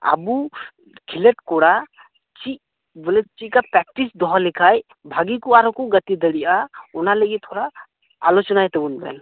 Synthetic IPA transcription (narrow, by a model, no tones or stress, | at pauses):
a̰bu | kʰileʈ̚kɔɽa | t͡ʃiʔ̚ | bɔlɛt͡ʃikapɾɛk̚ʈisd̪ɔɦɔlɛkʰaj | bʱaɡikuaɾɔkɔɡət̪id̪əɽiʔaɔnaləɡit̪̚t̪ʰːɔɾa | a̰lɔt͡ʃɔnajt̪ɛbunbɛ̰n